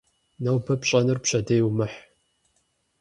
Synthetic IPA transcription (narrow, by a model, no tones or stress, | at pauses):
nɐwbɐpɕʼɐnɨrpɕɐdeːjwmɨħ